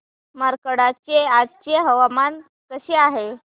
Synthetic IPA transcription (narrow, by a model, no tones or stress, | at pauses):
məɾkəɽat͡ɕead͡zt͡ɕeɦəʋaman | t̪əɕeaɦe